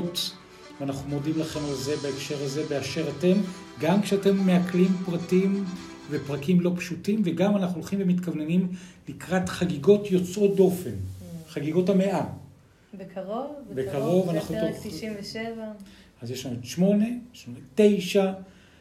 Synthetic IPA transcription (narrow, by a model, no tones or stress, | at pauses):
t | veanaχnumo̞dimlaχe̞malze̞baekʃe̞ʁaze̞beaʃe̞ʁate̞m | ɡamkʃeate̞mːeaklimpʁatim | vepʁakimlo̞pʃutimveɡamanaχnuloχimvemitkavnenimlikʁatχaɡiɡo̞tjo̞t͡sʔot̚do̞fenχaɡiɡo̞thameʔa | ovbekaʁo̞vanaχu | v | azjeʃlanuotʃmo̞ne̞eʃmonete̞jʃa